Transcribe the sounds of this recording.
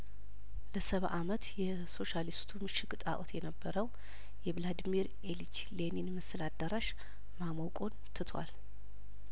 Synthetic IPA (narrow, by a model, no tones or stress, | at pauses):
ləsəβa̰ʔamət̪jɛ | so̞ʃalist̪ʰumɨʃɪkʼɨt̪ʼa̰ʔot̪ʰjɛnəbːəɾəw | jɛblad̪miɾ | elit͡ʃ | leninməsəlad̪əɾaʃ | maməwkʼont̪ʰɨt̪ʰwa̰l